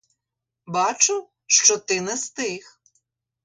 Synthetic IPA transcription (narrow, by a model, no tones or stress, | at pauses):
bɑt͡ʃʊ | ʃt͡ʃɔt̪ɪnɛst̪ɪx